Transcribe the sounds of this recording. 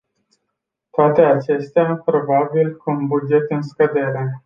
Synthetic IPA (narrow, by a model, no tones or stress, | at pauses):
t̪oat̪e̞at͡ʃe̞st̪eapɾo̞babilkumbud͡ʒe̞t̪ɨnskəd̪e̞ɾe̞